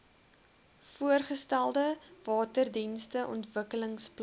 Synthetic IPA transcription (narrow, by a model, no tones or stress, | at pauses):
fuərχəstælˠdəvɑːtərdinstəʔɔ̰ntvəkələŋspl